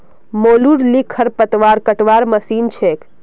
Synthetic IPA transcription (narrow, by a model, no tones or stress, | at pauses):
moluɽlikʰːəɾpət̪ʋaɾkəʈʋaɾməsint͡ʃʰek